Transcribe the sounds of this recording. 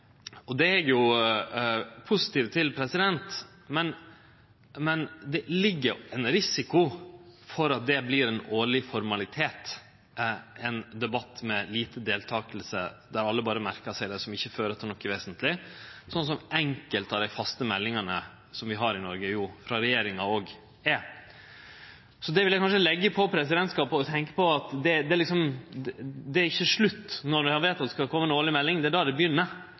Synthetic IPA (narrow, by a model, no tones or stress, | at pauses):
ɔd̪ɛlɛɡjʊ | pʰʊsɪ̥t̪iːʋt̪ʰɪlpʰɾɛsɪd̪ɛnt̪ | mɛn | mɛnd̪ɛlɪɡːəɾɛnɾɪsɪkʊfɔɾɑt̪̚d̪ɛbliɾɛnoːɭɪfɔɾmɑlɪt̪ʰeːt̪ | ɛnd̪ɛbɑt̪ːmɛliːt̪əd̪eːlt̪ʰɑːkəlsə̰d̪æɾɑlːəbɑːɾəmæɾkəsæɪd̪ɛsɔmɪçːəføːɾət̪ʰːnɔkːɛʋeːsənt̪ʰlɪsɔns̬ɔmʔɛŋkəlt̪ɑʋd̪æɪfɑst̪əmɛlːɪŋənə | sɔmʋɪɦɑɾɪnɔɾɡəjuːfɾɑɾɛjeːɾɪŋɑoːɡ | ɛ | sɔd̪ɛʋɪljæɪkɑnʂəlɛɡːəpʰɔpʰɾɛs̬ɪd̪ɛnt̪skɑːpɔt̪ʰɛŋkə̥pɔɑt̪d̪ɛd̪ɛlɪksɔm | d̪ɛæɾɪçːəʂɭʉt̪ːnɔd̪ɛhɑʋeːt̪ɑt̪̚ɛskɑkʰɔmːəɛnoːɭɪmɛlːɪŋd̪ɛæɖɑɾd̪ɛbəjʏnːə